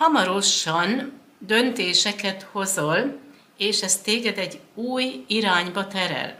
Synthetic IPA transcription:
hɒmɒɾo̞ʃɒn | d̪ø̞nt̪eːʃɛkɛt̪ho̞zol | eːʃɛst̪eːɡɛd̪ɛɟːuːjiɾaːɲbɒt̪ɛɾɛ̰l

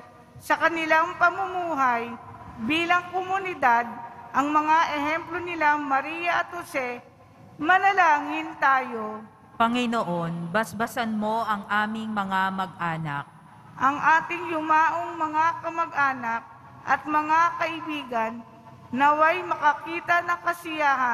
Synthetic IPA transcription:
sɐkɐnɪlaŋpɐmʊmuːɦɐjbiːlɐŋkomʊnɪd̪ad̪̚ʔɐŋmɐŋaʔɛhɛmplonɪlamɐɾiːjɐʔɐt̪̚hosɛ | mɐlɐlaːŋɪnt̪aːjo̞ | pɐŋɪnoʔonbɐsbɐsɐnmo̞ʔɐŋʔaːmɪŋmɐŋamɐɡ̚ʔaːnɐk̚ | ʔɐŋʔaːt̪ɪŋlʊmaːʔoŋmɐŋakɐmɐɡ̚ʔaːnɐk̚ | ʔɐ̰t̪̚mɐŋakɐʔɪbiːɡɐnː | ɐwɐjmɐkɐkiːt̪ɐnɐkɐsɪjaːɦɐ

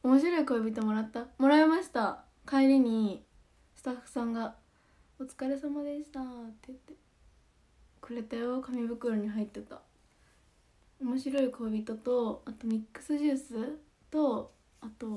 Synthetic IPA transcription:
omo̞ɕ̬iɾo̞iko̞ːbʲit̪o̞mo̞ɾat̪ːamo̞ɾaemaɕi̥t̪a | kaeɾʲiɲ̟i | sɨ̥t̪aɸːɯ̟̥sãŋɡa | ot͡sɨ̥kaɾe̞samad̪e̞ɕi̥t̪at̪ːet̪ːe | kɯ̟ɾe̞t̪ajo̞kamʲibɯ̟kɯ̟ɾoɲ̟iɦait̪ːe̞t̪a | omo̞ɕiɾo̞iko̞ːbʲit̪o̞t̪o̞at̪o̞mʲikːɯ̟̥sɨʑɨːsɨ | t̪o̞ | at̪o̞

